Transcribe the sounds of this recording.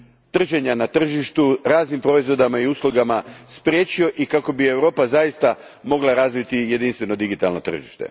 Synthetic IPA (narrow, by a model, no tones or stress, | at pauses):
t̪r̩ʒeɲanat̪r̩ʒiʃt̪uɾaːznimpɾo̞izʋo̞d̪amaiuslˠuɡamaspɾje̞ːt͡ɕio̞ʔikako̞bie̞wɾo̞ːpazajist̪a | mo̞ɡlˠaɾazʋit̪ije̞d̪inst̪ʋe̞no̞d̪iɡit̪alno̞t̪r̩ʒḭʃt̪e̞̰